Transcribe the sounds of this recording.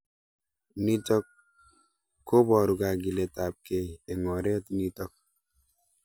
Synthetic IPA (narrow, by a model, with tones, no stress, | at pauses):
ni˦tɔ˦k | o˦bɔ˨ɾu˨ka˨ɡi˨lɛ˨ta˨p̚ke˨e˨ŋɔ˨ɾɛ˦tni˦tɔ˦k̚